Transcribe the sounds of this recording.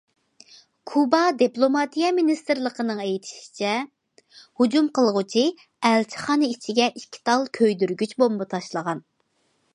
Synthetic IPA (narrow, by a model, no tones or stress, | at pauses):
kʰubɑd̪iplˠomɑt̪ʰijɛminist̪ɾlˠəqənɨŋejt̪ʰi̥ʃi̥t͡ʃʰɛ | hud͡ʒumqəlˠʁʊt͡ʃʰi | ɛlt͡ʃʰi̥χɑːnɨit͡ʃʰiɡʲɛʔiʃkʲʰi̥t̪ʰɑlˠkʲʰøjd̪yɾɡʲyt͡ʃbombɨt̪ʰɑʃlˠəʁɑn